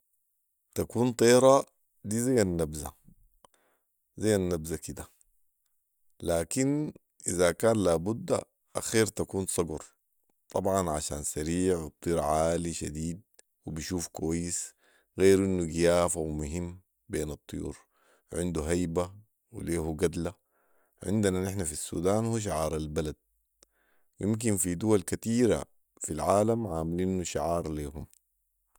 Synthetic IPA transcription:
t̪akuːnt̪ˤiːɾˤɑ | d̪iːzajːanːabza̰ | zajːanːabzakid̪a | laːkin | ʔizakaːnlaːbud̪ːa̰ | ʔa̰xiːɾt̪akuːnsˤɑɡuɾˤ | t̪ˤɑbʕɑnʕa̰ʃa̰ːnsaɾiːʕwɨt̪ˤːiːɾʕaːliʃa̰d̪iːd̪̚ | wibiʃuːfkuwajːis | ɣeːɾʔinːuɡijaːfawmʊɦimː | beːnɨt̪ˤːɨjṵːɾ | ʕɪnd̪uɦajba | wḭleːhuɡad̪la | ʕɪ̰nd̪ananɪħnafisːṵːd̪aːnhuːʃ̬aʕɑːɾˤalbalad̪̚ | jɪmk̬infid̪uwalkat̪iːɾa̰ | filʕaːlamʕaːmlinːuʃaʕɑːɾˤleːɦum

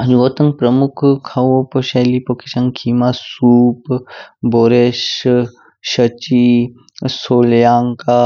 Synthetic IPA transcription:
d͡ʒʋoːt̪əŋ̚pɾɐmʊkʰkʰɐʋopoʃeːlipokiʃɐŋkʰiːmasuːpboːɾeːʃ | ʃət͡ʃi | soːljaːŋka

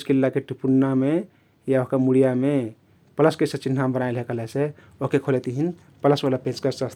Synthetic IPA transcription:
skilːakeʈipunːame | jaoɦkəmuɽijame | pələskesət͡ʃin̤ʰnambənaelɦekəlɛse | okekʰolet̪iɦin | pələsʋalapẽt͡ʃkəsəst̪

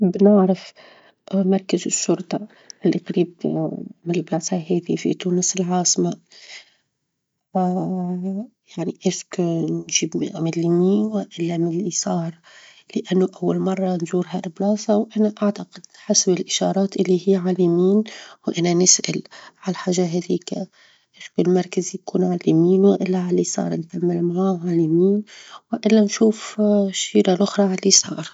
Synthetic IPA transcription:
bnɪʕɾɪf | mɑɾˤkazɪʃːʊɾˤt̪ˤɑ | ʔɪlːʔiqaɾiːb̚ | mɪlbaːsˤaɦeːd̪ifḭt̪uːnɪsɪlʕɑːsma | a | jaʕniʔeʃknʒiːbmɪlːimiːwɪʔɪlːamɪlːisˤɑːɾˤ | lɪʔanːoʔawːalmɑrˤːɑnʒuːɾɦaɾɪblɑːsˤawʔanaʔaʕt̪aqɪd̪ħasbɪlʔɪʃɑ̰ːɾˤɑːt̪ʔɪlːihiːʕalimiːnwʔananɪsʔa̰lʕalħaːʒaɦad̪iːka | ʔɪʃkʊlmɑɾˤkazijkuːnʕalːimiːnwɪʔɪlːaʕalːisˤɑ̰ːɾˤnkamːɪlmaʕaːʕalimiːnwɪʔɪlːanʃuːfʃiːɾalʔʊxɾˤɑʕalːisˤɑːɾˤ

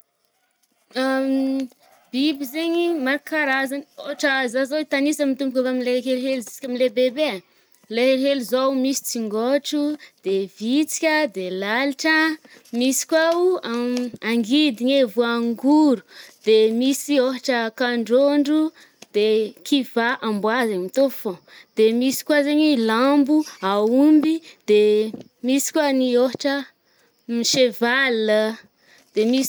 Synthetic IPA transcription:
a | b̥ibizeɲimaɾkaɾazanoɦaʈ͡ʂazazoit̪anisamit̪umbukʲavamileɦelɦelizi̥si̥kʲamilebebea | leɦelɦelizowmisi̥t͡siŋɡoʈ͡ʂud̪̥evit͡si̥kʲəd̪elaliʈ͡ʂə | misi̥kwauaaŋɡid̪iɲevuaŋɡuɾud̪̥emisioɦaʈ͡ʂəkaɳɖ͡ʐoɳɖ͡ʐu | d̪̥ekʰivaʔambwazeɲmit̪ofõ | d̪̥emisi̥kwazeɲilambuaumbid̪̥e | misi̥kwanioɦaʈ͡ʂə | miʃevalə | d̪̥emi

